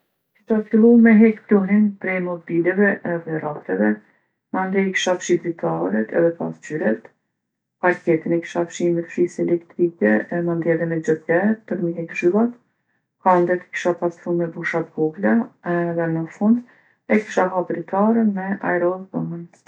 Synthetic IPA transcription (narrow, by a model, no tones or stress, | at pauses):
ki̥ʃafilˠumɛɦɛkpluɦinpɾɛjmɔbilɛvɛʔɛðɛɾak̚t̪ɛvɛ | mand̪ɛki̥ʃafʃid̪ɾit̪ʰaɾɛt̪ʰɛ̰ðɛpa̰st͡ʃyɾɛt̪ | paɾkɛt̪inɛki̥ʃafʃimɛt̪fɾisɛlɛkt̪ɾikɛmand̪ɛðɛmɛd͡ʒəθɛpəɾməɦɛkʒilˠat̪ | kand̪ɛt̪ki̥ʃapasɾumɛbuʃat̪̚ɡuɡlaðɛnəfund̪ | ɛki̥ʃaɦabɾit̪ʰaɾɛmɛʔa̰jɾɔbəmən